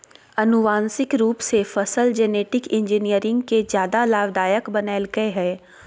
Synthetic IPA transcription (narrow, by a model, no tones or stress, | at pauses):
ɐnʊʋaːnsɪkɾuːpsefɐsəld͡ʒɛːneːʈɪkɪ̃ɲd͡ʒinijəɾɪ̃ŋɡkezjaːd̪alaːbd̪aːjəkbɐnaːɪlɡəeɦɛː